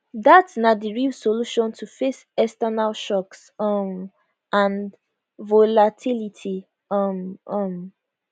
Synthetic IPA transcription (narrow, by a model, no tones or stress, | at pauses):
datsnadiɹilsoluʃɔ̃ntʰufes | ɛstɛnalʃɔks | ɔm | ʔãn | volatʰilitʰi | ɔmʔɔm